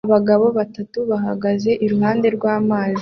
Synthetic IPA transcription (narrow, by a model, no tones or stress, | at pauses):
βaɡaβo̞βatatuβaɦaɡaze̞ʔiɾuɦaːnde̞ɾɡwaːmaːzi